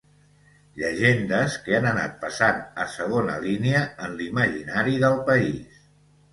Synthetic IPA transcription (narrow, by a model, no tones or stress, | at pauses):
ʎəʒend̪əskəanəna̰t̪̚pəsanəsəɣ̞onə̰liniəənliməʒḭnaɾiðəlˠpəis